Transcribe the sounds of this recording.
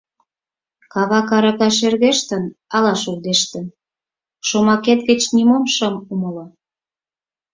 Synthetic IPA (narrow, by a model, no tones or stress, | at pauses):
kɑβɑkɑɾɑkɑʃerɣeʃt̪ənɑlɑʃuld̪eʃt̪ə̆n | ʃomɑket̪ɡə̆t͡ɕnimonʃə̆muməlɤ